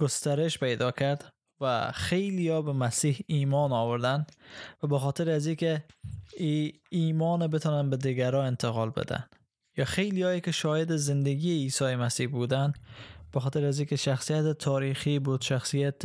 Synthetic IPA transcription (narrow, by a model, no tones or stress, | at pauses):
ɡ̥ost̪aɾɪʃpʰajd̪ɒkʰaɾd̪ | va̰χejlijɒbɪmasihimɒnɒwɪɾd̪anvabɪχɒt̪ʰɪɾazikʲɪ | i | imɒnɪbɪt̪ʰɒnanbɪd̪ɪɡʲaɾɒɪnt̪ʰɪqɒlbɪ̰d̪a̰n | jɒχejlijɒjɪkʲɪʃɒjed̪ɪzɪnd̪aɡʲiːsɒjɪmasihbud̪anb̥ɪχɒːt̪ɪɾazikʲɪʃaχsijat̪ɪt̪ʰɒɾiχibud̪̥ʃaχsijat̪